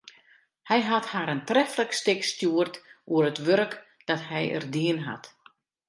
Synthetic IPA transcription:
hɛjɦathaːɾəntrɛfləkstɪkstjuərtuəɾətʋøɾk | d̥ɔthɛjə̰rdiənɦa̰t

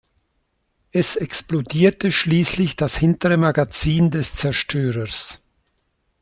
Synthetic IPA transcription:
ʔɛsɛksplodiːɐtəʃliːslɪçd̥ashɪntəʁəmaɡat͡siːndɛst͡sɛɐʃtʰøːʁəs

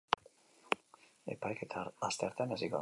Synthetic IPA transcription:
ḛpajket̪ʰast̪eaɾt̪eanasikoa̰

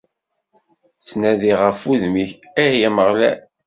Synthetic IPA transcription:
t͡sːnæðiʁəfuðmiç | æhjæməʁlæ̰

